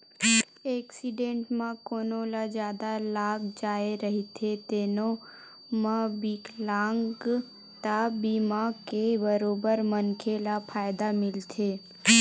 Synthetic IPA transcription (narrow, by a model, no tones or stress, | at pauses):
eːksiɖẽːɳʈmãkoːnõlad͡ʒjaːd̪alaːɡd͡ʒaːeɾəɦit̪ʰet̪eːno | mãbiklaːŋɡ | t̪abimakebəɾoːbəɾmənkʰelapʰaːjɪd̪amɪlt̪ʰe